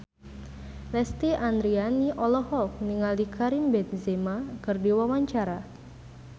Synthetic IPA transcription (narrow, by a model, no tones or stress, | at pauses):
lɛst̪iʔand̪ɾianiʔɔlɔhɔk̚niŋaldikʰaɾimbɛnzemakɨrdiwamaɲt͡ʃaɾa